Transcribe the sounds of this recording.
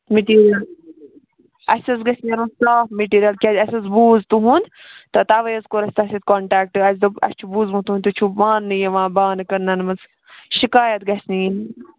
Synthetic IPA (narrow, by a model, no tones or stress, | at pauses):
miʈiːɾiɐl | ɐsʲɐzɡɐsʲnʲɐɾusaːfmiʈiːɾjɐlkʲɐd̪ʲɐsʲɐzbuːzt̪uɦũnd̪ | t̪ɐt̪ɐʋɐjɐzkoɾɐsʲt̪ɐsʲit̪koɳʈaːk̚ʈɨɐsʲd̪ɨɐ̰sʲt͡ʃʰubuːzmũt̪uɦunʲt̪ut͡ʃʰuʋaːnːɨjeʋãːbaːnkɐɾnɐnmɐt͡s | ʃikaːjɐt̪ɡɐsʲnijin